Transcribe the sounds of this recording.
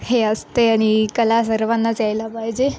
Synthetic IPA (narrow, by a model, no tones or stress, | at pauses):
heəst̪eaɽ̃ikəlas̬əɾʋanːat͡sajlapajd͡ʑe